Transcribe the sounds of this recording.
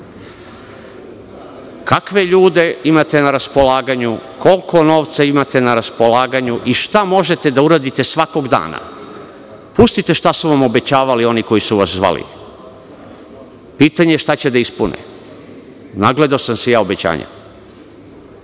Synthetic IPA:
kakʋe̞ʎuːd̪e̞imat̪e̞naɾaspo̞laːɡaɲuko̞lko̞no̞ːʋt̪saimat̪e̞naɾaspo̞laːɡaɲuʔiʃt̪amo̞ʒet̪e̞d̪auɾaːd̪it̪e̞sʋako̞ɡd̪a̰ːna̰ | pust̪it̪e̞ʃt̪asuʋamo̞be̞t͡ɕaːʋalio̞niko̞jisuʋaszʋa̰lḭ | piːt̪aɲeʃt̪at͡ɕed̪aispunḛ | naɡle̞d̪aosamsejaːobet͡ɕa̰ːɲa̰

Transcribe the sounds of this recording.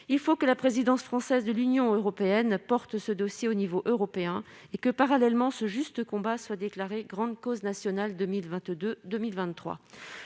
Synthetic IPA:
ilfokəlapχezid̪ɑ̃sfχɑ̃sɛzd̪əlynjɔ̃øʁɔpeɛnpɔʁt̪səd̪ɔsjeonivoʔøʁɔpeɛ̃ | ekəpaʁalɛlmɑ̃səʒyst̪əkɔ̃baswad̪eklaʁeɡʁɑ̃d̪koznasjɔnald̪milvɛ̃t̪d̪əmilvɛ̃t̪ːχwa̰

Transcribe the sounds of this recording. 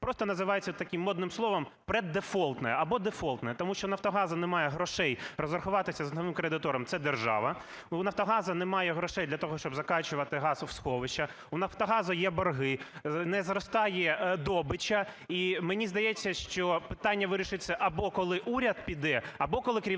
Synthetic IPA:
pɾɔst̪ɔnɐzɪʋɑjet͡sʲːɐt̪ɐkʲimːɔd̪nɪmslˠɔʋɐmpɾɛd̪ːefɔlˠt̪nɐjɛɐbɔd̪efɔlˠt̪nɐɛt̪ɔmuʃt͡ʃɔnɐft̪ɔɦɑzɐnɛmɑjɛɦɾɔʃɛjrɔzʋɐrxʊʋɑt̪ɪsʲɐzɐnɔʋɪmkɾed̪ɪt̪ɔɾɐmt̪sɛd̪erʒɑ̰ʋɐ | nɐft̪ɔɦɑzɐnɛmɑjɛɦɾɔʃɛjd̪lʲɐt̪ɔɦɔʃt͡ʃɔbzɐkɑt͡ʃʊʋɐt̪ɪɦɑzwsxɔʋɪʃɐ | unɐft̪ɔɦɑzɐjɛbɔrɦɪnɛzrɔst̪ɑjɛd̪ɔbɪt͡ʃɐimenʲizd̪ɐjɛt͡sʲːɐʃt͡ʃɔpɪ̥t̪ɑnʲːɐʋɪɾʲiʃɪt͡sʲːɐʔɐbɔkɔlˠɪʔuɾʲɐd̪̚pʲid̪ɛɐbɔkɔlˠɪkɾʲi

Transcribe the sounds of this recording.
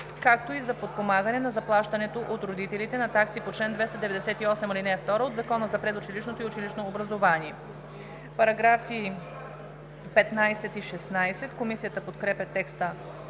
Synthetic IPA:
kak̚t̪oizɐpot̪̚pomaɡənɛnɐzɐplˠaʃt̪ɐnɛt̪oʔot̪ɾod̪it̪ɛlit̪ɛnɐt̪aksipot͡ʃlɛnd̪vɛst̪ɐd̪ɛvɛd̪ɛsɛt̪iɔsɛmilinɛft̪ɔɾəod̪zɐkɔnəzɐpɾɛd̪ʊt͡ʃiliʃnot̪oiʊt͡ʃiliʃnoːbɾɐzovaniɛ | pɐɾɐɡɾafi | pɛt̪najsɛt̪iʃɛsnajsɛt̪komisijət̪əpot̪kɾɛpɛt̪ːɛkst̪ə

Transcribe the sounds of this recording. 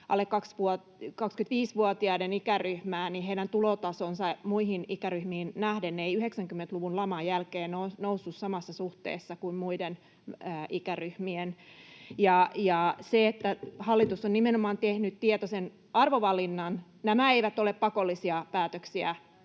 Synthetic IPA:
ʔɑ̰lːekkɑksʋuo | kɑkskynt̪ʋiːsʋuot̪iɑidenikæryhmæːniɦeidænt̪ulot̪ɑsonsɑmuihinikæryhmiːnnæhdenːeeiyheksæŋkymːent̪luʋunlɑmɑjælkeːnonousːussɑmɑsːɑsuht̪ḛːsːɑkuimmuidenː | ʔikæryhmienjɑjɑseet̪ːæhɑlːit̪usːonnimenomɑːnt̪ehnyt̪t̪iet̪osen | ɑrʋoʋɑlinːɑn | næmæeiʋæt̪oleppɑkolːisiɑpæːt̪øksiæ

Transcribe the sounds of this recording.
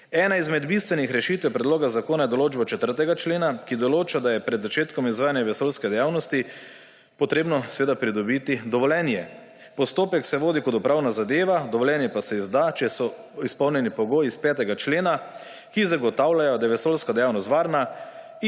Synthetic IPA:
ɛːnaizmɛd̪bist̪ʋɛnixɾɛʃiːt̪ʋɛpɾɛd̪loːɡazakoːnajɛd̪ɔloːd͡ʒbat͡ʃɛt̪əɾt̪ɛɡat͡ʃleːnakid̪ɔloːt͡ʃad̪ajɛpɾɛd̪zat͡ʃeːt̪kɔmizʋaːjanjaʋɛsolskɛd̪ɛjawnɔst̪i | pɔt̪ɾeːbnɔsʋeːd̪apɾid̪ɔbit̪id̪ɔʋɔlɛnjɛ | pɔst̪oːpɛksɛʋoːd̪ikɔt̪upɾawnazad̪eːʋad̪ɔʋɔljɛnjɛpasɛizd̪at͡ʃɛsɔ | ispɔwnʲjɛnipɔɡoːjiːspɛːt̪ɛɡat͡ʃleːna | kizaɡɔt̪aːwlajɔd̪ajɛʋɛsolskad̪ɛjawnɔst̪ʋaːɾna

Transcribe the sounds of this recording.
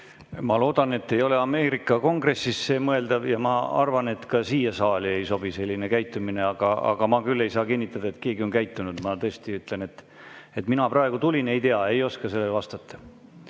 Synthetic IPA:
mɑlo̞ːd̪ɑnet̪ːe̞jo̞le̞ɑme̞ːɾikːˑɑko̞ŋɡ̥re̞sːisːemɤe̞ld̪̥ɑvjɑmɑɑ̰rvɑne̞t̪kɑsiːjɑsɑːlie̞jso̞b̥ise̞lʲːinekæjt̪ˑːumine̞ɑɡ̥ɑɑ̰ɡ̥ɑmɑkylːe̞jsɑːkinʲːit̪ːˑɑd̪ɑet̪ke̞ːɡio̞nkæjt̪ːˑunud̪̥mɑt̪ɤest̪iyt̪ˑle̞ne̞t̪ː | e̞t̪ˑminɑprʔɑe̞ɡ̥ut̪ulʲine̞jt̪eɑe̞jo̞skɑse̞lːevɑst̪ɑt̪ʰˑːɑ̥

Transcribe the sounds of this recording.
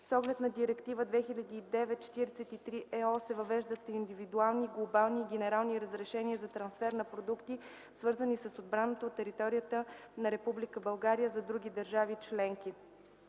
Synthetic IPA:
sɔɡlɛt̪nɐd̪iɾɛkt̪ivəd̪vɛxilʲɐd̪iːd̪ɛvɛt̪̚t͡ʃɛ̥t̪iɾɛsɛt̪it̪ɾiʔɛɔsɛvɐvɛʒd̪ət̪ind̪ivid̪ualˠniɡlˠobalˠniːɡʲɛnɛɾalˠniɾəzɾɛʃɛniəzɐt̪ɾɐnsfɛɾnɐpɾod̪ukt̪i | svɤɾzənisəsod̪̚bɾanət̪oːt̪ːɛɾit̪ɔɾijət̪ənɐɾɛpublikəbɐlˠɡaɾijəzɐd̪ɾuɡʲid̪əɾʒavit͡ʃlɛŋki

